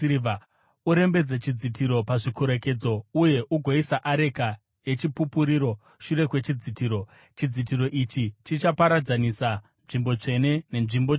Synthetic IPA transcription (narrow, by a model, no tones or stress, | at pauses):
v | uɾe̞mbe̞d͡zet͡ʃid͡zitiɾo̞paʐikoɾe̞ke̞d͡zo̞uje̞ʔuɡʱoisaʔaɾe̞ka | je̞t͡ʃipupuɾiːɾo̞ | ʃuɾe̞kwe̞t͡ʃid͡zitiːɾo̞ | t͡ʃid͡zit̬iɾo̞ʔit͡ʃit͡ʃit͡ʃapaɾad͡zanisa | nʐimbo̞t͡ʂe̞ne̞ne̞nʐimbo